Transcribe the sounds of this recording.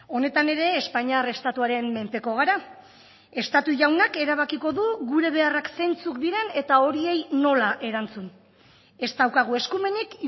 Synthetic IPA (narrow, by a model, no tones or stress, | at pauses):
o̞ne̞t̪ane̞ɾe̞ːspaɲare̞st̪at̪uaɾe̞mme̞mpe̞ko̞ɣ̞aɾa | e̞st̪at̪uʝawnake̞ɾaβ̞akiko̞ðuɣuɾe̞β̞e̞arakse̞jnt͡sukd̪iɾe̞ne̞t̪ao̞ɾie̞jno̞laʔe̞ɾant͡sun | e̞st̪awkaɣ̞ue̞skume̞nik